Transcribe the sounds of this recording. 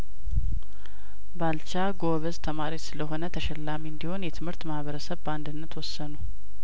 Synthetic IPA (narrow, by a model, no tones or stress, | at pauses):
balt͡ʃaɡoβəzt̪ʰəmaɾitsɨləɦo̞nət̪ʰəʃɛlːamiɨnd̪iho̞njɛt̪ʰɨmhɨɾt̪mahβəɾəsəβbəand̪ɨnːət̪wɔsːənu